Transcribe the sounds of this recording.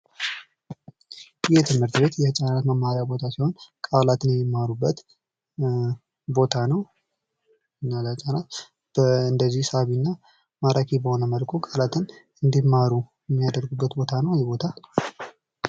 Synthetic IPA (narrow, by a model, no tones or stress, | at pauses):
jɛt̪ʰɨmhɨɾt̪be̞t̪jɛhɨt͡ʃʼanat̪məmːaɾjabo̞t̪ʰasiho̞nkʼalat̪ʰɨnjɛmːimːaɾubːət̪ | bo̞t̪ʰanəw | nːalət͡ʃʼanat̪ | bɨnd̪əzːihsəaβinːa | maɾakʰibəho̞nəməlkʰokʼalat̪ʰɨn | ɨnd̪imːaɾujɛmːijad̪əɾɡubːət̪bo̞t̪ʰanəwjɛbo̞t̪ʰa